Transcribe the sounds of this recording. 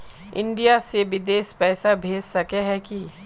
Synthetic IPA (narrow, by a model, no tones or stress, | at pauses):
ɪ̰̃ɳɖijaseʋɪd̪eːspɛːsabʱeːd͡ʒsɐkeɦɛki